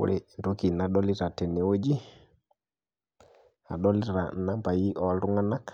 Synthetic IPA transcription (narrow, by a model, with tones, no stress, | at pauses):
ṵɾɛntokinaɗɔ˦li˦ɾa˨tɛ˨ni˨wo˦d͡ʒi˦ | a̰˨ɗɔ˦liɾa̰˨na˦mpa˨ji˦ʔɔalɾu˦ŋa˦na˦k